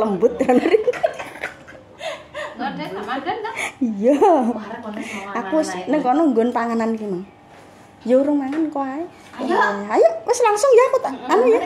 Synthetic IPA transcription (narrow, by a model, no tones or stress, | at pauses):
ləmbʊt̪̚ɾanɾiŋ | ijɔ | akusnəŋkɔnɔŋɡɔnpaŋanankimaŋ | jouɾʊmaŋankoae | ajəʔwɪslaŋsʊŋjaakut̪aanuja